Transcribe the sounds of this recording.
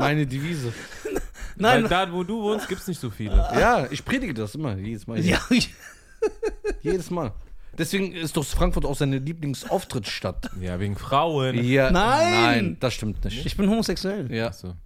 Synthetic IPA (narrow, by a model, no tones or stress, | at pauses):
maaɪnədiviːzə | naɪndaːvoːduːvoːnst̚ɡiːptsnɪçtz̥oːfiːlə̰jaːʔɪçpʁ̥eːdɪɡədasʔɪmɐjeːdəsmaːja | jːdəsmaːld̥ɛsv̥eːɡŋ̩ɪst̚d̥ɔχfʁ̥aŋkfʊɐtaʊxz̥aɪnəliːplɪŋsʔaʊftʁ̥ɪtʃtatja̰ːveːɡŋ̩fʁ̥aʊənjaːnaɪnanɪnd̥asʃtɪmtnɪçtɪçb̥ɪnhoːmozɛksuɛljaːsoː